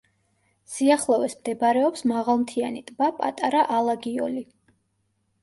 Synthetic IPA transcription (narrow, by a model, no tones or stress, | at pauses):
siaχlˠɔvɛsmd̪ɛbaɾɛɔpsmaʁalˠmt̪ʰianit̪ʼbapʼa̰t̪ʼaɾaʔalˠaɡiɔ̰li